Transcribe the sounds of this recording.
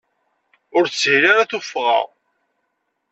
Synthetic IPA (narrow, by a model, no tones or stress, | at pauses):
ʊɾt͡sːhlaɾaθufːʁɑ̰ʁ